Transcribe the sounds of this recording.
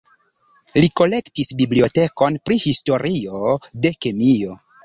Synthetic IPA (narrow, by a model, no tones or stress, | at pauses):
liko̞le̞ktisbiblio̞te̞ko̞npɾihisto̞ɾʔio̞de̞kemio̞